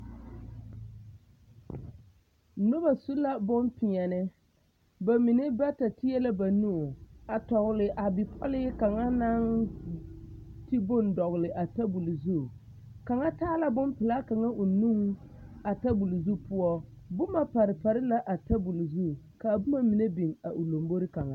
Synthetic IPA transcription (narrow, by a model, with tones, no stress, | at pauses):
nʊ˦ba˨su˦la˦bʊ˦mpɪ˨ɲɛ˨nɪ˦ | ba˨mi˨nɪ˦ba˦ta˨tɪ˦ɛ˦la˦ba˨nu˦˨a˨tɔ˨ɣʊ˨lɪ˨ʔa˨bɪ˨pʰɔ̰˦lɪ˦ka˨ŋa˦na˦ŋ | ti˦bʊ˦ndɔ˨ɣlɪ˨ʔa˨ta˦bu˨lzu˦˨ | ka˨ŋa˦taː˦la˦bʊ˦mpɪ˨la˦ka˨ŋa˦ʔʊ˨nu˦ŋ | a˨ta˦bu˨lzu˦pʊ˦ɔ˦ | bʊ˦ma˨pa˨ɾɪ˨pa˨ɾɪ˦la˦ʔa˨ta˦bu˨lzu˦˨ | ka˨bʊ˦ma˦mi˨ne˦bi˨ŋa˨ʔʊ˨lo˨mbo˦ɾɪ˦ka˨ŋa˦